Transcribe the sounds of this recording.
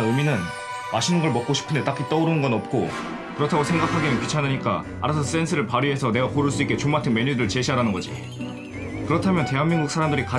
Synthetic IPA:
ɯminɯn | maɕʰinɯnɡʌɭmʌk̚k͈oɕʰi̥pʰɯndet͈ak͈it͈ʌuɾɯnɯnɡʌnʌp̚k͈o | kɯɾʌtʰaɡosʰe̞ŋɡakʰaɡimɯnpit͡ɕʰanɯɲik͈a̰ | a̰ɾasʰʌs͈e̞nsʰɯɾɯɭpaɾie̞sʰʌne̞wapoɾɯɭs͈uik͈et͡ɕomatʰɯnme̞ɲudɾɯɭt͡ɕe̞ɕʰiɦaɾanɯnɡʌd͡ʑḭ | kɯɾʌtʰamjʌnte̞ɦanmːiŋɡuk̚sʰaɾamdɯɾika

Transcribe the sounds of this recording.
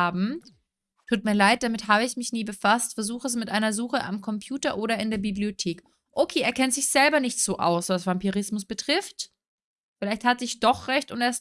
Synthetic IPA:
aːbm̩ | tʰuːt̚miːɐlaɪt̚d̥amɪtɦaːbəɪçmɪçniːbəfastfɛɐzuːxəs̬mɪtʔaɪnɐzuːxəʔa̰mkʰɔmpʰjuːtɐʔoːɾɐɪndeːɐbibliotʰeːk | ʔokʰeːʔeːɐkʰɛntz̥ɪçz̥ɛlbɐnɪçtz̥oːʔa̰ʊsvasv̥ampiʁɪsmʊsb̥ətʁ̥ɪft | fɪlaɪçthatzɪçd̥ɔχʁɛçtʊnteːɐs

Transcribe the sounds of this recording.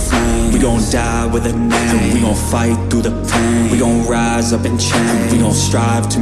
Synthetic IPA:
wiɾõʊ̃nd̥a | wɪðɪt | wiɾõʊ̃faɪt̪̚θuðəpʰwiɾõʊ̃nɹa | zʌpɨ̃nt͡ʃʰɛ | wiɾõʊ̃nstɹ̥aɪv̥tʰɨ

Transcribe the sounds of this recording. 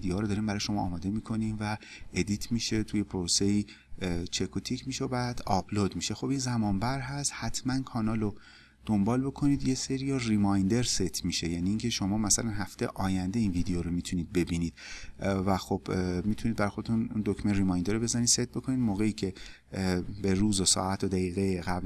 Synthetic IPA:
id̪ejoːɾod̪ɒːɾiːmbæɾɒːjeʃo̞mɒ̰ːmɒːd̪e̞mikʰo̞nimvæ | ʔed̪it̪ʰmiʃe̞t̪ʰuje̞pʰoɾose̞iː | t͡ʃʰekʰot̪ʰicʰmiʃeobæːd̪ɒblod̪miʃe̞xo̞binzæmɒːmbæɾɦæst̪hæt̪ʰmænkʰɒːnɒːlo | d̪̥ombɒːlbo̞kʰo̞niːd̪jeseɾiɒrimɒjnd̪e̞ɾset̪ʰmiʃe̞jæniːŋcʰe̞ʃo̞mɒːmæsælænɦæft̪ʰejḛʔɒːjænd̪e̞inviːd̪ejoɾomit̪ʰuniːd̪̚be̞biːniːd̪̥væxob̥miːt̪ʰunid̪̚bæɾjxo̞d̪et̪ʰun̰nd̪okmerimɒːjnd̪eɾobe̞zænid̪se̞t̪̚bo̞kʰo̞niːd̪moːɣeiːcʰe̞ | beɾuːzosɒ̰ːæt̪ʰod̪æɣiːɣejeɣæbl

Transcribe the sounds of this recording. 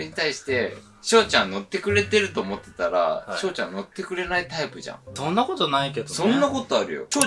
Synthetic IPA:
ɾeɲ̟it̪aiɕi̥t̪e̞ | ɕo̞ːt͡ɕãnno̞t̪ːe̞kɯ̟ɾe̞t̪e̞ɾɯ̟t̪o̞ːmo̞t̪ːe̞̥t̪aɾa̰ɕo̞ːt͡ɕã̰nno̞t̪ːe̞kɯ̟ɾe̞nait̪aipɯ̟ʑã̰ŋd̪̥õ̞nːako̞t̪onaike̞d̪osõ̞nnːako̞t̪o̞aɾɯ̟jo̰

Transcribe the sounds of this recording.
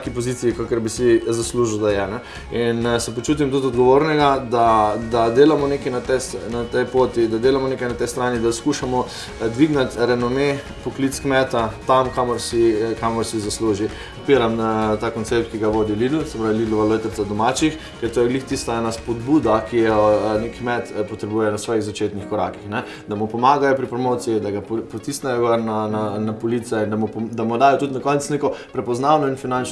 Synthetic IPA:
kipɔzit̪siikakɛɾbisizasluːʒwd̪ajɛnɛ | insɛpot͡ʃuːt̪̬imt̪ut̪ɔd̪ɡɔʋoɾnɛɡad̪ad̪ad̪eːlamɔnekinat̪ɛsnat̪ɛjpoːt̪id̪ad̪eːlamɔnekajnat̪ɛjst̪ɾaːnid̪askuʃamɔ | d̪ʋiɡnat̪ɾɛnɔme | pɔklit̪skmɛt̪at̪amkamɔɾsikamɔɾsizasluːʒi | pɔt̪̚piːɾamt̪aːkoɔnt̪sep̚t̪̚kiɡaʋoːd̪ilid̪l̩sɛpɾaːʋiliːd̪lɔʋalot̪əɾsad̪ɔmaːt͡ʃix | kɛɾt̪oːjɛɡlixt̪ist̪aɛnaspɔd̪bud̪akijɔnekːmɛt̪pɔt̪ɾɛbujɛnasʋɔːjiɣzat͡ʃet̪nixkɔɾa̰kixnɛ | d̪amupɔmaːɡajɔpɾipɾɔmot̪sijid̪aɡappɔt̪isnɛjɔɡaɾnananapɔlit̪sɛind̪amupd̪amɔd̪aːjɔt̪ut̪nakɔnt̪snekɔpɾɛpɔznawnɔinfinant͡ʃ

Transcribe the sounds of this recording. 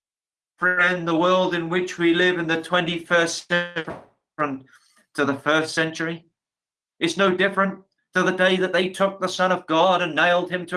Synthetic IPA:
fə˞ɪ̃nðəwɜ˞lˠdɨ̃nwɪt͡ʃwilɪvɨ̃nðɨtʰw̥ɛ̃ntifɜ˞stɛf | ɨ̃n | tʰɨðəfɜ˞stsɛ̃nt͡ʃə˞i | ɨtsnoʊdɪfɹɨ̃n | tʰɨðɨdeɪðɨt̪̚ðeɪtʰʊk̚ðəsʌ̃ñʌvɡɑɾɨ̃nːeɪlˠd̚ɨ̃mtʰɨ

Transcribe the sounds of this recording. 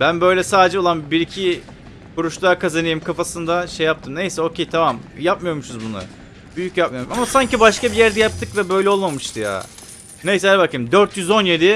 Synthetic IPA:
bænbø̞jlʲɛsaːd̪ed͡ʒɛo̞lˠanbiɾicʰi | kuɾuʃlˠaːkʰazanɯjɯmkʰafasɯnd̪aʃejːap̚t̪ʰɯmne̞jsɛo̞ːcʰejt̪ʰamamjap̚mɯjomuʃuzbunʊ̰ | byjycjap̚mɯjoɾmʃamasaɲcibaʃkabijæɾd̪ɛjap̚t̪ʰɯkvɛbø̞jlʲɛo̞lˠmamɯʃt̪ʰɯja̰ː | ne̞jsɛabakʰɯjɯmd̪øɾt̪jyzo̞nje̞d̪ɪ

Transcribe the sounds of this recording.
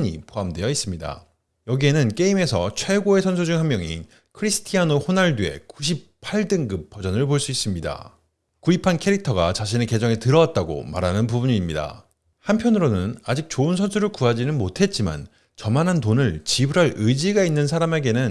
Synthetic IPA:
ɲḭpoamdwe̞jʌis͈ɯmɲida̰ | jʌɡie̞nɯnk͈e̞ime̞sʰʌt͡ɕʰwe̞ɡoe̞sʰʌns̬ʰud͡ʑuŋɦanmjʌŋḭ | kʰɯɾisʰɯ̥tʰianohonaɭdue̞̰kuɕ̬ʰippʰaɭdɯŋɡɯpʰːʌd͡ʑʌnɯɭpoɭs͈uis͈ɯmɲida̰ | kuipʰankʰe̞ɾik̚tʰʌɡat͡ɕaɕʰine̞ke̞d͡ʑʌŋe̞tɯɾʌwat̚t͈aɡo̰ma̰ɾanɯnpubuɲiːmɲida̰ | hampʰjʌnɯɾonɯnad͡ʑik̚t͡ɕoɯnsʰʌnsʰuɾɯɭkuad͡ʑinɯnmotʰe̞t̚t͡ɕ͈ima̰n | t͡ɕʌmanɦant̬onɯɭt͡ɕibuɾɦaɾɯd͡ʑiɡainːɯns̬ʰaɾame̞ɡe̞nɯn

